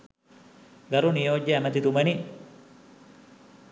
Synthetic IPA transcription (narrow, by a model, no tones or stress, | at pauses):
ɡɐɾunijoːɟːəæmət̪it̪uməni